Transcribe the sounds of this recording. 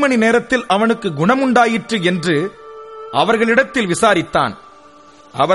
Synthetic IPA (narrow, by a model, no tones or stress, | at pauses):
mɐɳineːɾɐt̪ːɪlɐʋɐnɯkːɯɡʊɳɐmʊɳɖaːjɪʈrɯɛndrɯ | ʔɐʋɐɾɣɐɭɪɽɐt̪ːɪlʋɪsaːɾɪt̪ːa̰ːn | ʔɐ̰ʋɐ